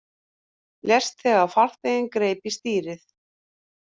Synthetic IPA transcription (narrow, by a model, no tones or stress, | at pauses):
ljɛst̪θɛɣaðfar̥t̪eɪnkɾeːjpist̪iːɾɪθ